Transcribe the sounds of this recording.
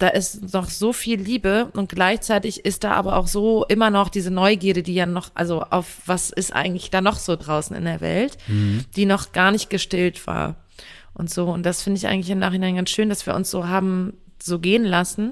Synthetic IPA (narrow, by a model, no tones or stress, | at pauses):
d̥aːʔɪstnɔχz̥oːfiːlːiːbəʊnt̚ɡ̥laɪçt͡saɪtɪçɪst̚d̥a̰ːʔa̰ːbɐʔa̰ʊxz̥oːʔɪmɐnɔχd̥iːzənɔʏɡiːɐɾədiːjaːnɔχʔa̰lzoʔa̰ʊfv̥asɪstʔa̰ɪɡŋ̩tlɪçd̥aːnɔχz̥oːdʁaʊsn̩ɪ̰ndeːɐvɛ̰ltd̥iːnɔχɡ̥aːɐnɪçt̚ɡ̥əʃtɪltv̥a̰ːɐ | ʔʊntz̥oːʊnt̚d̥asfɪndəɪçʔa̰ɪŋ̩tlɪçɪmnaːχɪnaɪnɡansʃøːndasv̥iːɐʊ̰nsz̥oːɦaːbm̩ | z̥oːɡeːənlasn̩